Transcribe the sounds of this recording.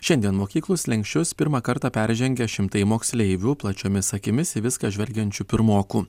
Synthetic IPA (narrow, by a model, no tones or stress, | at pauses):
ʃʲɛnd̪ʲiɛnmoːkʲiːklˠʊslʲɛŋʲksʲt͡ʃʲʊspʲɪɾmɑːkɐɾt̪ɑpʲɛɾʲʒʲɛŋʲɡʲɛʃʲɪmt̪ɐɪmoːksʲlʲɛɪʋʲuːplˠɐt͡ʃʲoːmʲɪsɐkʲɪmʲɪsɪʋʲɪskɑʒʲʋʲɛlʲɡʲɛnʲt͡ʃʲuːpʲɪɾmoːkuː